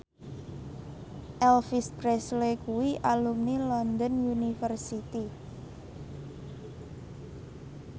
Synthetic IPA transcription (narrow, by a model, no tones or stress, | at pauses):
ʔɛlfispɾɛslekuwiʔalumnilɔnd̪ɔnunifərsit̪i